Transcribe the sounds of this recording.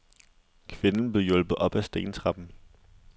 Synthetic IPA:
kʰʋe̝nn̩b̥le̝jɔ̽l̰b̥ð̩ˠʔɒ̽b̥æsd̥e̝̰ːnt͡sʰʁɑ̈b̥n̩

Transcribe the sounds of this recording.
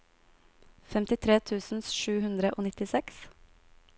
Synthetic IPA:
fɛmt̪ɪt̪ʰɾeːt̪ʰʉːsn̩sʃʉːhʉnd̪ɾəʔoːnɪt̪ɪsɛks

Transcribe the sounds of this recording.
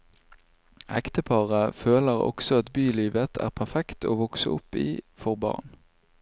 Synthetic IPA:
ʔɛkt̪əpʰɑʁəføːləʁɔ̰ksɔɑt̪byːliːʋət̪ʰæ̰ːʁpʰæʁfɛkt̪oːʋɔksə̰ʔʊpḭːfɔʁbɑ̰ʁn

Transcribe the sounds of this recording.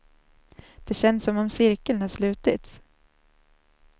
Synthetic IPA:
d̪̥ɛɕɛnːsːɔmɔmsɪɾkəlnhaʂlʉ̟ːt̪ɪt̪s

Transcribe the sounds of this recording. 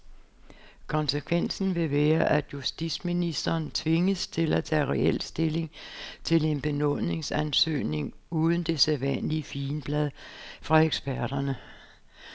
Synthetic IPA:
kʰɒ̽nsəkʰʋen̰sn̩ʋe̝ʋɛːɐʔæd̥jusd̥i̥sminisd̥ɐːnt͡sʰʋe̝ŋəst͡sʰe̝læt͡sʰæ̰ːʁɛel̰sd̥e̝le̝ŋt͡sʰe̝le̝nb̥e̝nɔ̽ne̝ŋsænsø̰ːne̝ŋuːð̞ˠn̩d̥e̝seðˠʋæn̰liəfiːnb̥læð̞ˠfʁɑ̈eɡ̥sb̥æɐ̰d̥ɐnə

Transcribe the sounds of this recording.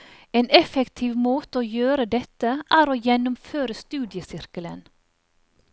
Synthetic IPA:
eːnɛfəkt̪ʰiːʋmoːt̪əoːjøːɾəd̪ɛt̪əʔæːɾoːjɛnʊmføːɾəst̪ʉːd̪ɪəsɪɾkələ̰n

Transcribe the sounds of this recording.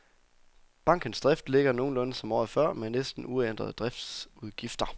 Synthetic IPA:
b̥ɑ̈ŋ̰ɡ̥ən̩sd̥ʁɛfd̥le̝ɡ̥ɐno̝ːn̩lɔ̽nəsɒ̽mɒ̰ːðˠfɶɐ̰menesd̥n̩uend̥ʁɐð̞̩ˠd̥ʁɛfd̥suðˠɡ̥ifd̥ɐ

